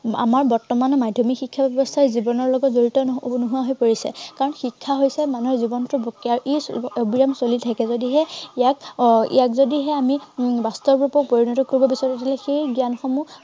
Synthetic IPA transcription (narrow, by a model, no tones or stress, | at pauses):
a̰maɹbɔɹtɔmanɔmadʱɔmikxikʰːabɛbɔstʰaɹzibɔnɔɹlɔɡɔtzoɹitɔnuɦuaɦojpoɹisɛ̰kaɹɔnxikʰːaɦojsɛmanuɦɛzibɔntʊbokːiaɹuʔeobiɹamsolitʰakɛzodiɦɛijakḭjakzodiɦɛamibastɔbɹupɔpoɹinɔtɔkoɹibɔbisɔtatʰilɛxejɡijanxɔmu